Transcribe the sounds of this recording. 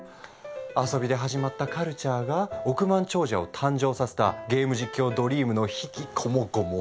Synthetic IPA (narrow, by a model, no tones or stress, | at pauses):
aso̞bʲid̪e̞ɦaʑimat̪ːakaɾɯ̟t͡ɕaːɡao̞kɯ̟mãɲt͡ɕo̞ːʑao̞t̪ʰãɲ̟d͡ʑo̞ːsase̥t̪a̰ɡe̞ːmɯ̟ʑikʲːo̞ːd̪o̞ɾʲiːmɯ̟no̞çikʲikʰo̞mo̞ɡomo